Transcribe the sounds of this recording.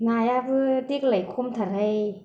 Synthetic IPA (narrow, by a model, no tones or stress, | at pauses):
naːjabɯdik̚lajkʰumt̪ʰaɾaj